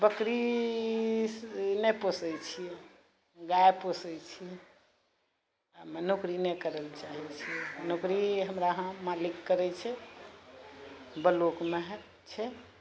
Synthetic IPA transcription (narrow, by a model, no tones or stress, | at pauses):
bəkɾi | neposɛt͡ʃʰiɛ | ɡaeposɛt͡ʃʰijɛ | mənokɾinekəɾəlt͡ʃaɦɛt͡ʃʰiɛnokɾiɦəmɾaɦãmalikːəɾɛt͡ʃʰɛ | bəlokmeɦ | t͡ʃʰɛ